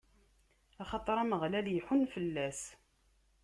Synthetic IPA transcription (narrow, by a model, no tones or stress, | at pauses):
ɑχɑt̪ˤɾˤɑməʁlæljħunfəlːæs